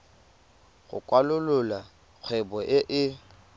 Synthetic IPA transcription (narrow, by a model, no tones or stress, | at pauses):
ɣʊ̰kʼwalʊlʊla | k͡xʰwɛbɔʔɪʔɪ